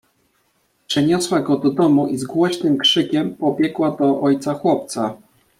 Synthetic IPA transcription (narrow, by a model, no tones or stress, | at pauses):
pʂɛɲɔswaɡɔd̪ɔd̪ɔmuʔizɡwɔɕnɘmkʂɘkʲɛmpɔbʲjɛkwad̪ɔʔɔjt̪saxwɔp̚t̪sa